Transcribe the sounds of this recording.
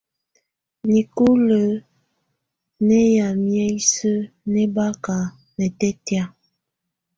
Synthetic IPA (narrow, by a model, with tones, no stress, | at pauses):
ni˨ku˦lə˨˦ | nɛ˦ja˨mjɛ˦i˦sə˦ | nɛ˦ba˦ka˨ | nɛ˨tɛ˦tja˦